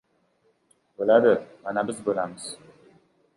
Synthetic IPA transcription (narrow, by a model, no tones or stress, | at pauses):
bəladəmanabəsbulams